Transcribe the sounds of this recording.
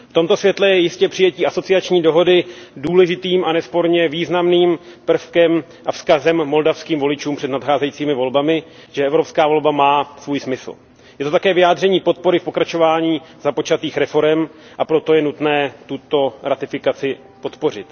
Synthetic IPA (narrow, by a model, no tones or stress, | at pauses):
ft̪o̞mt̪o̞svjɛt̪lɛjɛjɪscɛpr̝̥ɪjɛciːʔaso̞t͡sɪat͡ʃɲiːdo̞ɦo̞dɪduːlɛʒɪt̪iːmʔanɛspo̞ɾɲɛviːznamniːmpr̩fkɛm | ʔafskazɛmːo̞ldafskiːmvo̞lɪt͡ʃuːmpr̥ɛdnat̪xaːzɛjiːt͡siːmɪvolbamɪ | ʒ̥ɛɛvɾopskaːvo̞lbamaːsvuːjsmɪsl̩ | jɛt̪ot̪akɛːvɪjaːd̪r̝ɛɲiːpo̞t̪̚po̞ɾɪfpo̞kɾat͡ʃo̞vaːɲiːz̥apo̞t͡ʃat̪iːxɾɛfo̞ɾɛmʔapɾo̞t̪o̞jɛnut̪nɛːt̪ut̪o̞ɾat̪ɪfɪkat͡sɪ | po̞t̪po̞rɪ̰t̪